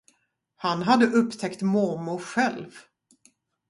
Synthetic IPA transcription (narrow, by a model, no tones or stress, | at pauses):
hanɦad̪ːəʔɵpːt̪ʰɛkt̪mɔmʊɧɛlv